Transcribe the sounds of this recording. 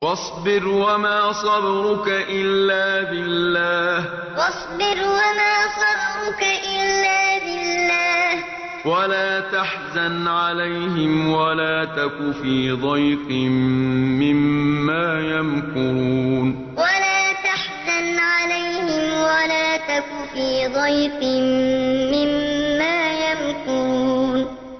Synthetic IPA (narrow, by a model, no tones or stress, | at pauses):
wɑsˤbɪɾwamaːsˤɑbɾʊkaʔɪlːaːbɪlːaːh | wɑsˤbɪɾwamaːsˤɑbɾʊkaʔɪlːaːbɪlːaːh | walaːt̪aħzanʕalajɦɪmwalaːt̪akʊfiːd̪ˤɑjqɪmmːɪmːaːjamkuɾuːn | walaːt̪aħzanʕalajhɪmwalaːt̪akʊfiːd̪ˤɑjfɪmːɪmːaːjamkuːn